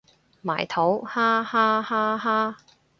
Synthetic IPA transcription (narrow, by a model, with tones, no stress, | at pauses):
ma̰ː˨˩jt̪ʰo˨˥whaː˥haː˥haː˥ɦaː˥